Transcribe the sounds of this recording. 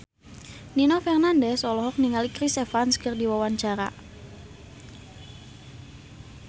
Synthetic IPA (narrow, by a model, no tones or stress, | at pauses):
ninɔfɛrnandɛsɔlɔɦɔk̚niŋalikɾisefanskərdiwawaɲt͡ʃaɾa̰